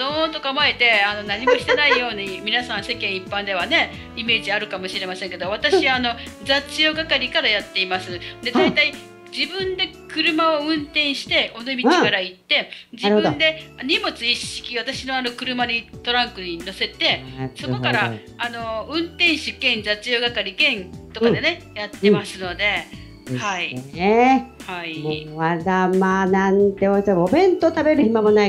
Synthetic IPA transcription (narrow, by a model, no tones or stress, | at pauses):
d̪oːt̪o̞kamae̞t̪e̞ano̞naɲ̟imo̞ɕi̥t̪enaijo̞ːɲ̟imʲinasãɰ̃se̞kẽ̞ɰ̃ipːãnd̪e̞β̞ane̞ | ime̞ːʑiaɾɯ̟kamo̞ɕiɾe̞masẽŋke̞d̪o̞β̞at̪aɕiano̞d͡zat͡sɨjoɡakaɾʲikaɾajat̪ːe̞imasɨd̪e̞d̪ait̪ai | d͡ʑibɯ̟̃nd̪e̞ | kɯ̟ɾɯ̟mao̞ɯ̟̃nt̪ẽ̞ɰ̃ɕi̥t̪e̞ʔo̞nomʲiikaɾait̪ːe̞ | d͡ʑibɯ̟nd̪e̞ɲ̟imo̞t͡sɨiɕi̥kʲiβat̪aɕino̞ano̞kɯ̟ɾɯ̟maɲ̟it̪o̞ɾãŋkɯ̟ɲ̟ino̞se̞t̪e̞so̞ko̞kaɾa | ano̞ɯ̟̃nt̪ẽ̞ɰ̃ɕɨkẽ̞nd͡ʑat͡ɕɨjoːɡakaɾʲikẽ̞nt̪o̞kãd̪e̞ne̞jat̪ːẽ̞masɨno̞d̪e̞ | haiehaioad̪amaːnãnt̪eoisomobẽ̞nt̪ot̪abe̞ɾɯ̟çimamonai